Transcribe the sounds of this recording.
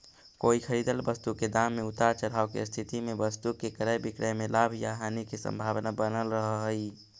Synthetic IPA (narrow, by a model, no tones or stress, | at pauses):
koːikʰəɾiːd̪əlbəst̪uked̪amːeʊt̪aɾt͡ʃəɾaːokḛst̪ʰit̪imẽbəst̪ukekəɾəjbɪkɾəjmelaːbʱjaɦaːnikesə̰̃mbʱaːʋnabənəlɾəɦɦi